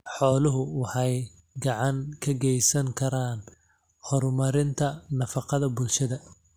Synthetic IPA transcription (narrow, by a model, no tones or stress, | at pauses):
ħɔːlʊɦʊwɑħɑj | ɡɑʕɑŋkʰɐɡɛjsɐŋkʰɐɾaːn | hɔrmɐɾɪnt̪ʰɐnɐfɑqɑðɐbʊlʃɐðɐ